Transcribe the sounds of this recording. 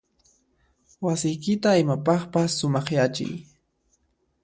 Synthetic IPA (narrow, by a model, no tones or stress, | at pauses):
wasɪjkɪt̪aɪmapɑχpasːʊmɑχjat͡ʃɪ̰j